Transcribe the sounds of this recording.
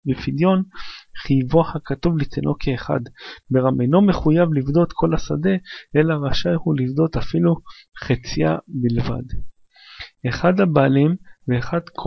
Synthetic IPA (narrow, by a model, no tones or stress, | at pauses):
befid̪jo̞nχijvo̞hakat̪uvlit̪enʔo̞kʰeːχa̰d̪beʁamʔeno̞meχujavlivd̪o̞t̪kʰo̞lasad̪e̞ʔelaʁaʃajhulivd̪o̞t̪afilu | χet͡sia̰bilva̰d̪ | eχad̪habaːlimveːχad̪kʰ